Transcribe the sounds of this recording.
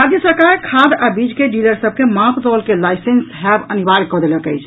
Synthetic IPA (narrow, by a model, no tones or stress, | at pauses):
ɾad̪jəsəɾkaɾkʰad̪abid͡ʒkeɖiləɾsəb̚kemapʰd̪ɔlkelajsensɦɛbənibaɾkːɔd̪eləkəjt͡ʃʰ